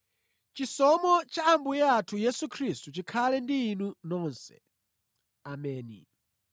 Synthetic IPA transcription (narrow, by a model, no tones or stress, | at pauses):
t͡ʃisɔmɔt͡ʃaːmbujɛatʰujɛsukʰɾistut͡ʃikʰalɛndiːnunɔːnsɛ̰ | amɛːnḭ